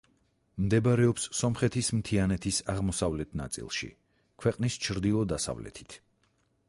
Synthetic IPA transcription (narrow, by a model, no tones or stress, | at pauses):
md̪ɛbɾɛɔpsːɔmχɛt̪ʰismt̪ʰianɛt̪ʰisaʁmɔsavlɛt̪ʰna̰t̪sʼḭlˠʃḭ | kʰwɛqʼnist͡ʃʰɾd̪ilˠɔd̪asa̰vlɛ̰t̪ʰi̥t̪ʰ